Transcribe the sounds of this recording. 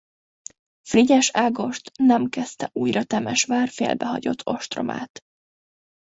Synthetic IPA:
friɟɛʃaːɡo̞ʃt̪nɛmkɛst̪ɛʔuːjrɒt̪ɛmɛʃʋaːrfḛːlbɛɦɒ̰ɟo̞t̪ʰːo̞ʃt̪ro̞̰mʔa̰ːt̪

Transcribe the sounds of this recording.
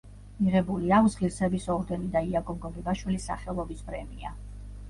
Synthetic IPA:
miʁɛbuliawsʁiɾsɛbisɔɾd̪ɛnid̪aiakʰʼɔmɡɔɡɛbaʃwilisːa̰χɛlˠɔbispɾɛmḭa

